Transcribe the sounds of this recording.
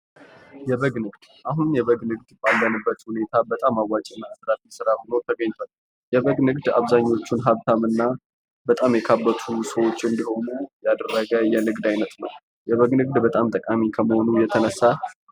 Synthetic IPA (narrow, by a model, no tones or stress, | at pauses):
jɛβəɡnɨɡd̪̥ʔaɦunjɛβəɡnɨɡ̚d̪bʼalbənɨbːət̪hune̞t̪ʰabət̪ʼamawːat͡ʃʼɪnːasɾafisɨɾahono̞t̪ʰəɡəɲt̪ʰona | jɛβəɡnɨɡd̪a̰βzaɲːo̞t͡ʃːunɦaβt̪ʰamɨnːa | bət̪ʼamjɛkʰabːət̪ʰusəwo̞t͡ʃːɨnd̪iho̞nujad̪ərːəɡəjɛnɨɡd̪ajnət̪ʼnəw | jɛβəɡnɨɡ̚d̪bət̪ʼamt̪ʼəkʼamikʰəməho̞nujɛt̪ʰənəsːa